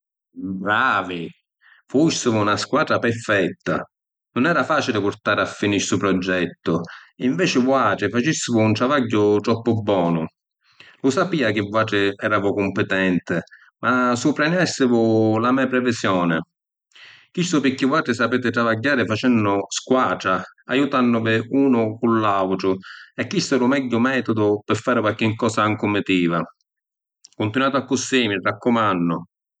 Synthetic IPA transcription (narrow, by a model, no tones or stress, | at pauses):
bɾaːvi | fusːɪvʊnaskwaːd̪ɾapɛɾfɛt̪ːa̰ | nʊnɛːɾafaːt͡ʃilɪpʊɾt̪aːɾɪafːiniɾsʊpɾɔd͡ʒːɛt̪ːʊiɱvɛːt͡ʃɪvwaːʈ̪ɾɪfat͡ʃisːɪvʊunt̪ɾavaɟːʊt̪ɾɔpːʊbːɔːnʊ | lʊsapiːak̟ɪvuaːʈ̪ɾɪɛɾaːvʊkʊmpɪt̪ɛnt̪ɪ | masupɾɛnɛsːɪvʊlamɛːapɾɛvɪsjɔːnɪ | k̟ist̪ʊpɪkːɪvaːʈɾɪsapeːt̪ɪt̪ɾavaɟːaːɾɪfat͡ʃɛnːʊskwaːʈɾaajut̪anːʊvɪuːnʊkulːawʈ̪ɾʊɛkːist̪ɛɾʊmɛɟːʊmɛːt̪ʊd̪ʊpɪfːaːɾɪkwak̟ɪŋkɔːsaaŋkʊmɪt̪iːva | kʊnt̪inwaːt̪ʊakːʊsːimɪrːakːʊmanːʊ